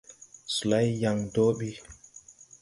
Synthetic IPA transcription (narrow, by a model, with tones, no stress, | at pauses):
su˨la˦jja˨ŋdo˦ɓi˦